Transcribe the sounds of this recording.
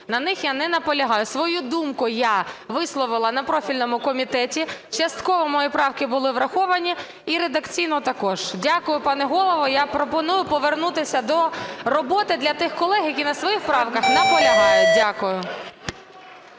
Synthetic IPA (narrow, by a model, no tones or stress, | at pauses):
nɐnɪxjanɛnɐpɔlʲɐɦɑjʊsʋɔjud̪umkʊjaʋɪslˠɔʋɪlˠɐnɐpɾɔfʲilʲnɔmʊkɔmʲit̪ɛtʲit͡ʃɐst̪kɔʋɔmɔjipɾɑwkɪbʊlˠɪʋɾɐxɔʋɐnʲi | iɾed̪ɐkt͡sʲijnɔt̪ɐkɔʒ̥dʲakʊjʊpɑnɛɦɔlˠɔʋɔjapɾɔpɔnujʊpɔʋernut̪ɪsʲɐd̪ɔrɔbɔt̪ɪd̪lʲɐt̪ɪxkɔlˠɛɦjɐkʲinɐsʋɔjixpɾɑwkɐxnɐpɔlʲɐɦɑjʊdʲakʊjʊ